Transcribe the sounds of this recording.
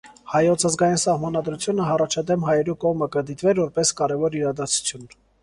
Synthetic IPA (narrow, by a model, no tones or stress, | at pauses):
hɑjɔt͡sʰɑzɡɑjinsɑhmɑnɑd̪ɾut͡sʰjunəɦɑrɑt͡ʃʰɑd̪ɛmɦɑjɛɾukɔʁməkəd̪it̪vɛɾvɔɾpɛskɑɾɛvɔɾiɾɑd̪ɑt͡sʰu̥t͡sʰjun